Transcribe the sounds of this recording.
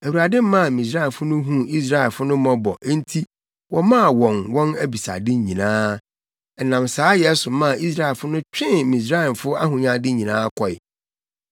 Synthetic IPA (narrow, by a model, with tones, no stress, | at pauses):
æ˨wu˨ɾa˨dɪ̃˦m̩˦mã˦˨mĩ˨s̬ɾa˦ɛ˨fʊ˦nʊ̃˦ɦũ˦i˦s̬ɾa˦ɛ˨lfʊ˦nʊ̃˦mɔ̃˨bɔ̰˨ʔn̩˦tʰi˦ | wɔ˨mã˦˨wɔ̃˨nwɔ̃˦næ˦bi˨sa̰˨dɪ˦ɲĩ˨nãː˦ | ɛ˨nã˨msaː˦jɛ˦sʊ˨mã˦˨i˦s̬ɾa˦ɛ˨lfʊ˦nʊ̃˦t͡ɕᶣɪ̃˦n˨mĩ˨s̬ɾa˦ɛ˨n˨fʊ˦a˦ɦʊ̃˨ɲã˨dɪ˦ɲĩ˨nãː˦kʰɔ˨ɪ̰˨